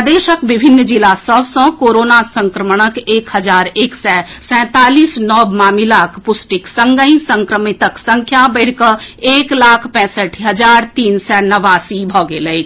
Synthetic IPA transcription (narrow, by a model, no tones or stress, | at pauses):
d̪eːʃəkbɪbʱɪnːd͡ʒilasəbsɔ̃koːɾoːnasə̃ŋkɾəməɽ̃əkeːkɦəd͡ʒaːɾeːksɛsɛ̃ːt̪aːliːsnɔːbmaːmilaːkʰpʊsʈɪksə̃ŋɡəĩsə̃ŋkɾəmɪt̪əksə̃ŋkʰjabəɽkəeːklaːkʰpɛ̃ːsəʈʰɦəd͡ʒaːɾt̪iːnsɛnəʋaːsibʱɔːɡeːləit͡ʃʰ